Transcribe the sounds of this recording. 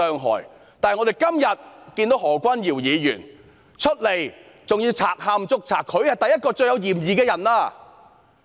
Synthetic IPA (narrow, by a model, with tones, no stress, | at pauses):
œː˨˧ŋɦɔ̰ː˨˩j | t̪aː˨jŋɔː˨˧te˨˩jkɐ˥mjɐ˨t̚kiː˧nt̪o˨˥whɔː˨˩kʷɐ˥njiː˨˩wjiː˨˧jyː˨˩n | t͡ʃʰɵ˥t̚le˨˩j | t͡sʊ˨ŋjiː˧wt͡sʰaː˨˩k̚ɦaː˧mt͡sʊ˥k̚t͡sʰa̰ː˨˩kʰːɵ˨˧ɥhɐ˨˩jt̪ɐ˨jɐ˥t̚kɔː˧t͡sɵ˧ɥjɐ˨˧wjiː˨˩mjiː˨˧kɛː˧jɐ˨˩nlaː˧